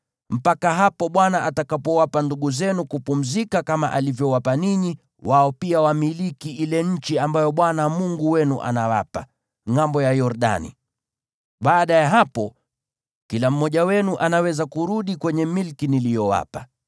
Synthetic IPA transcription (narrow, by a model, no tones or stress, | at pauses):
m̩pakaɦapɔɓwanaʔatakapɔwapanduɠuzɛnukupum̩zikakamaʔalivjɔwapaniɲi | wʔaɔpiawamilikiilɛɲ̩t͡ʃiambajɔɓwanamuŋɡuwɛnuʔa̰nawa̰pa | ŋambɔjajɔɾɗa̰nḭ | ɓaːɗajaɦapɔ | kilam̩ːɔʄawɛnuʔanawɛzakuɾuɗikwɛɲɛmilkinilijɔwa̰pa